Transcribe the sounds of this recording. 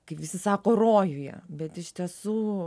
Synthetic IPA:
kɐɪpʋʲɪsʲɪsɑːkoːroːjʊjɛ̰bʲɛt̪ɪʃʲt̪ʲiɛsuː

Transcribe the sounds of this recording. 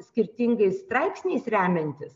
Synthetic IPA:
sʲkʲɪɾʲt̪ʲɪŋɡɐɪst̪ɾɐɪpsʲnʲɛɪsɾʲæːmʲɛnʲt̪ʲɪs

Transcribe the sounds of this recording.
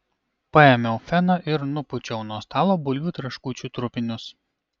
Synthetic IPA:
pɐɛmʲɛʊfʲɛnɐʔɪɾnʊpʊt͡ʃʲɛʊnuɔst̪ɑːlˠoːbʊlʲuːt̪ʲɾɐʃkuːt͡ʃʲuːt̪ɾʊpʲɪnʲʊs

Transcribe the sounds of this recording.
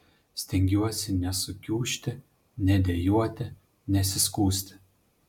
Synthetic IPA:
sʲt̪ʲɛŋʲɡʲuɔsʲɪnʲɛsʊkʲuːʃʲt̪ʲɪ | nʲɛd̪ʲejuɔt̪ʲɪ | nʲɛsʲɪskuːsʲt̪ʲɪ̥

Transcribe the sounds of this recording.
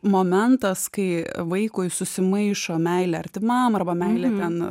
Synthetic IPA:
moːmʲɛnt̪ɐskɐɪʋɐɪkʊɪsʊsʲɪmɐɪʃoːmʲɛɪlʲɛɐɾʲt̪ʲɪmɐmɐrbɐmʲɛɪlʲɛt̪ʲɛn

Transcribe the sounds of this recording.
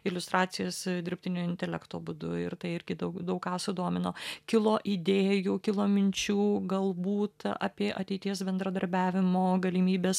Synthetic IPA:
ɪlʲʊst̪ɾɑːt̪sʲɪjoːsd̪ʲɪrʲpʲt̪ʲɪnʲoːɪnʲt̪ʲɛlʲɛ̰kt̪oːbʊd̪ʊ̰ɪɾt̪ɐɪɪɾʲɡʲɪd̪ɐʊkd̪ɐʊkkːɑːsʊd̪oːmʲɪnoːkʲɪlˠoːʔɪd̪ʲeːjuːkʲɪlˠoːmʲɪnʲt͡ʃʲuːɡɐlˠbuːt̪ɐ̰ːpʲiɛʔɐt̪ʲɛɪt̪ʲiɛsbʲɛnd̪ɾɐd̪ɐɾʲbʲæːʋʲɪmoːɡɐlʲɪmʲiːbʲeːs

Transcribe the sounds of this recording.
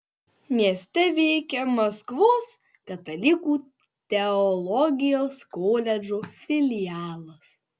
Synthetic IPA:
mʲiɛsʲt̪ʲɛʋʲɛɪkʲɛmɐskʋoːs | kɐt̪ɐlʲɪkuː | t̪ʲɛɔlˠɔɡʲɪjoːskoːlʲɛd͡ʒofʲɪlʲɪjæːlˠɐs

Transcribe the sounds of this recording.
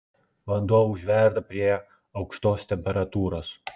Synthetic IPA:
vɐnd̪ɔʋuʒʲʋʲɛɾd̪ɐpʲɾʲiɛ | ɐwkʃt̪oːst̪ʲɛmʲpʲɛɾɐt̪uːɾos

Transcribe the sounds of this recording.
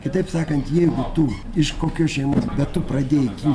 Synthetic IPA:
kʲɪt̪ɐɪpsɑːkɐnt̪jɛɪɡʊt̪ʊ | ɪʃkoːkʲoːʃʲɛɪmoːsbʲɛt̪tʊpɾɐd̪ʲeːjɪkʲiː

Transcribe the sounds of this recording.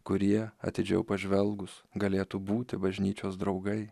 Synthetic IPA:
kʊɾʲiɛɐ̰t̪ʲɪd͡ʒʲɛʊpɐʒʲʋʲɛlˠɡʊsɡɐlʲeːt̪ubuːt̪ʲɪbɐʒʲnʲiːt͡ʃʲoːsd̪ɾɒʊɡɐɪ

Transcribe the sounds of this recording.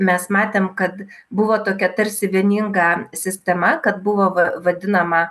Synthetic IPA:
mʲɛsmɑːt̪ʲeːmkɐt̪ | bʊʋoːt̪oːkʲɛt̪ɐɾʲsʲɪʋʲiɛnʲɪŋɡɑsʲɪsʲt̪ʲɛmɐkɐt̪̚bʊʋoːʋɐʋɐd̪ʲɪnɐmɐ

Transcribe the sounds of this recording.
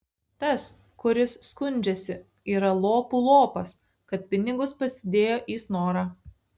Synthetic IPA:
t̪ɐs | kʊɾʲɪsːkʊnʲd͡ʒʲɛsʲɪ | iːɾɐlˠoːpulˠoːpɐs | kɐt̪̚ʲpʲɪnʲɪɡʊspɐsʲɪd̪ʲeːjoːʔiːsnoːɾɑː

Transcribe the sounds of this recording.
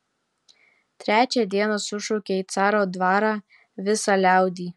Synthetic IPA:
t̪ʲɾʲæːt͡ʃʲɛd̪ʲiɛnɐsʊʃɔʊkʲeiːt̪sɑːɾoːd̪ʋɑːɾɑː | ʋʲɪsɑlʲæˑʊd̪ʲiː

